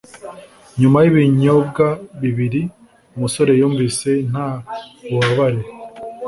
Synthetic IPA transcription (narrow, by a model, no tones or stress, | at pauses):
ɲumajiβiɲobɡaβiβiɾi | umuso̞ɾe̞juːɱvise̞n̥auβaβaɾe